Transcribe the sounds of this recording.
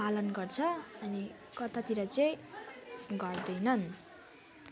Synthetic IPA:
alʌnɡʌrt͡sʰʌʌni | kʌt̪at̪iɾʌt͡sʌj̃ | ɡʌrd̪ʌjnʌn

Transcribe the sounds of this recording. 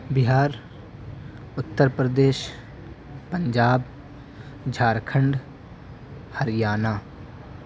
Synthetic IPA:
bɪɦaːɾ | ʊt̪ːəɾpɾəd̪eːʃ | pə̃ɲd͡ʒaːb | d͡ʒʱaːɾkʰə̃ɳɖ | həɾɪjaːnaː

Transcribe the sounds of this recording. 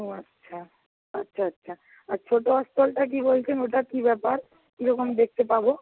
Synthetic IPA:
ɦoatːɕʰa | atːɕʰaatːɕʰa | aɾt͡ɕʰoʈoɔst̪ʰolʈak̬ibolt͡ɕʰenoʈakibɛpaɾ | kiɾɔkomd̪ek̚ʰt̪epabo

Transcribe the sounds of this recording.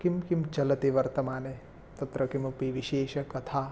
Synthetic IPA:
kimkimt͡ʃɐlɐt̪iʋɐɾt̪ɐmaːne | t̪ɐt̪ɾɐkimpiʋiʃeːʃɐkɐt̪ʰaː

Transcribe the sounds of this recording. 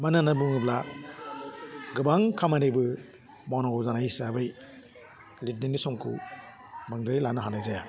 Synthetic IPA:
mananabɯŋɯbla | ɡɯbaŋkʰamaɾibɯ | bawnɔɡɔzanaisabɯj | lit̚ninisɔŋkʰṵ | baŋdɾilanaɦanajzaja

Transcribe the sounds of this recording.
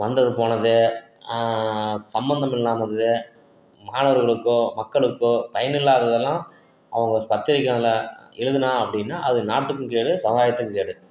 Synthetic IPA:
ʋɐnd̪ɐðɯpoːnɐðɯ | sɐmbɐnd̪ɐmɪlːaːmɐðɯ | maːnɐʋɐɾɣɐɭɯkːõmɐkːɐɭɯkːʊ̃pɐjɐnɪlːaːðɐðɛlːãː | ɐ̰ʋɐŋɡɐpɐt̪ːɪɾɪkːɐnlɐɛɻɯðɯnaːɐpːɐɽɪnːaːɐðɯnaːʈːɯkːɯ̃keːɽɯsɐaːjɐt̪ːɯkːɯ̃keːɽɯ

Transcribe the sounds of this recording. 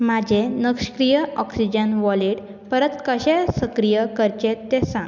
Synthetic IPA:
mad͡ʑʱenəkʂkɾijəɔksid͡ʑənʋɔliʈ | pəɾət̪kəɕesəkɾijəkəɾt͡ɕet̪ːesãŋɡ

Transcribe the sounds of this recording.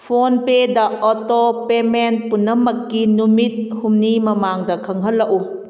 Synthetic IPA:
pʰonpedɐɔtɔpemɛnpunːɐmɐkːinumit̪̚humnimɐmaŋdɐkʰɐŋɦɐlːɐʔu

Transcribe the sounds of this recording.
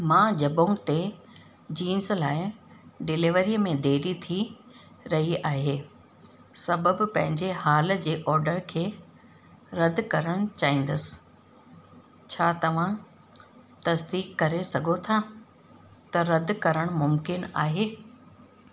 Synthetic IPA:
mãːd͡ʑɐbõt̪e | d͡ʑiːnslaːɪɖɪlɪʋəɾiːmẽd̪ʱeːɾit̪ʰi | ɾɐɦiaːɦeː | sɐbəbpɐ̃ɦɪ̃ɲd͡ʑeɦaːl̆d͡ʑeːʔɔːɾɖəɾkʰeː | ɾɐd̪ʱkɐɾəɽ̃t͡ɕaːɦĩːn̆d̪əsɪ̥̆ | t͡ɕʰaːt̪ɐʋ̤ã | t̪ɐsd̪iːkːɐɾesɐɡʱot̪ʰa | t̪ɐɾɐd̪ʱkɐɾəɽ̃mʊmkɪna̰ːɦeː

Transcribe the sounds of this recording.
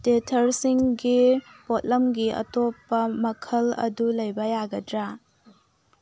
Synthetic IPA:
tetʰɐɾsiŋɡipot̚lɐmɡiʔɐ̰topːɐmɐkʰɐlɐ̰dulɐjbɐjaɡɐdɾa

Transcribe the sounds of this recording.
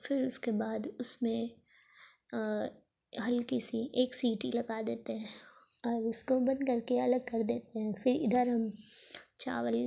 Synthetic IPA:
fɪɾʊskebaːd̪ʊsmẽ | ɦɐlkisiʔeːksiːʈilɐɡad̪eːt̪eɦɛ̃ | ɔːɾʊskobɐ̃nd̪kɐɾkeɐləɡ̚kɐɾd̪eːt̪eɦɛ̃fɪɾɪ̰d̪əɾɦɐm | t͡ʃa̰ːʋəl

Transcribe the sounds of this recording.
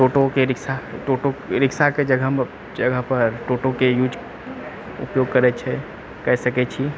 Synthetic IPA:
ʈoːʈokeɾɪksaʈoːʈoɾɪkʃaked͡ʒəɡəm | d͡ʒɐɡəɦpɐɾʈoːʈõkejuːd͡ʒ | ʊ̰pjoːɡ̚kɐɾɛt͡ʃʰe | kɛɦsɐket͡ʃʰi

